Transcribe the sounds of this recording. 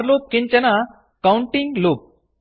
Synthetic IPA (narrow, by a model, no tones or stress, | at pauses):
ɾluːp̚kiɲt͡ʃɐnɐ | kɐwɳʈiŋɡluːp̚